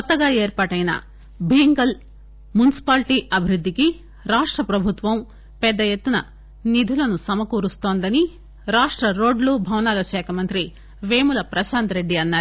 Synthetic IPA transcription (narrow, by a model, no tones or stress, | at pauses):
ɔt̪ːɐɡaːeːɾpaːʈɐjnɐ̰ | bʱiːŋɡɐl | munisi̥paːlʈiːʔɐbʱiɾud̪ːiki | ɾaːʂʈɾɐpɾɐbʱut̪ʋɐm | pɛd̪ːɐjet̪ːunɐ̰ | nid̪ʱulɐnusɐmɐkuːɾust̪o̞ːnd̪ɐni | ɾaːʂʈɾɐɾo̞ːɖlubʱɐwnaːlɐʃɛːkʰɐmɐnt̪ɾi | ʋeːmulɐpɾɐʃaːnt̪ɾe̞ɖːiɐnːaːɾ